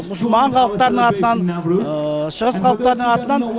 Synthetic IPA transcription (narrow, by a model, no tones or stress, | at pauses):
ʊʃmɑɴqʰɑlˠəq̚t̪ɑɾənəɴɑt̪ənɑn | ʃəʁəsqʰɑlˠəq̚t̪ɑɾəd̪əɴɑt̪ənɑn